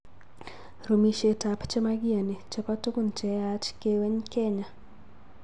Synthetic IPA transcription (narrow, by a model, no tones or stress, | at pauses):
ɾumiʃetapt͡ʃɛmaɡianet͡ʃɔpatukunt͡ʃɛat͡ʃkeweɲkɛɲa